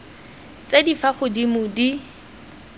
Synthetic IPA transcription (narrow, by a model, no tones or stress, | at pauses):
t͡sedifaχʊdimʊdi